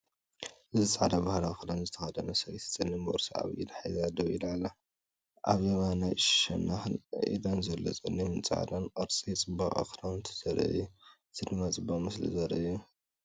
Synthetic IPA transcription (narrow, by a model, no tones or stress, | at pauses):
ʔɨzɨt͡sʼaʕd̪abahlaxɨlanzɨt̪ʰɐxɐd̪ɐnɐsɐjt̪ʰɨ̥t͡sʼɨnːimɐɾsaa̰βḭd̪ħajzad̪ɐwilalːɐ | ʔaβemanajʃɐnːaxɨn̰ʔḭd̪ɐnzɐlːo̰t͡sʼɨnːimɨnt͡sʼa̰ʕd̪anqʼɐɾt͡sʼit͡sʼɨbakʼa̰kɾamt̪ʰɨ̥zɐɾɐ̰u | t̪ʰɨd̪mat͡sʼɨbamɨslḭzɐɾɐ̰ʔju